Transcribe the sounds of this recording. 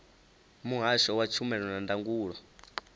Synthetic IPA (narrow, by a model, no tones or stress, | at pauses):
muɦaʃɔwat͡ʃʰumɛɺɔnandaŋɡuːɺɔ